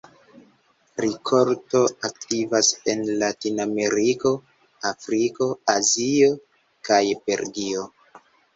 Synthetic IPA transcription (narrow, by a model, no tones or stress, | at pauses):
ɾikʰo̞ɾto̞ak̚tivase̞nlatiname̞ɾiko̞ | afɾiko̞azio̞ | kajbe̞̰ɾɡio̞